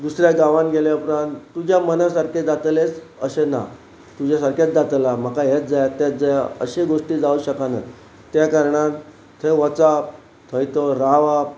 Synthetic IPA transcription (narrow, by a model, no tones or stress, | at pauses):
d̪usɾjaɡaʋãnɡeljapɾãnt̪t̪ːud͡ʑʱjamənasaɾkʰed͡zat̪let͡səɕena̰ | t̪ud͡ʑjasaɾket͡sd͡zat̪lam̤əkajet̪̚d͡zajat̪ːet͡s̪̚d͡zajaə̰ɕeɡoʂʈiːd͡zauɕəkanə̰ | t̪ːjakaɾɳat̪ | t̪ʰeʋət͡sap̚ | t̪ʰəjt̪oɾaʋap̚